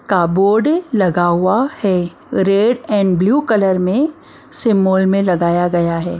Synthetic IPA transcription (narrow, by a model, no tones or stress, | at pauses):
kaːboːɾɖlɐɡaɦʊahɛː | ɾeːɖɛ̃ːɳɖbluːkɐləɾmẽ | sɪmoːlmẽlɐɡaːjaɡɐjaɦɛː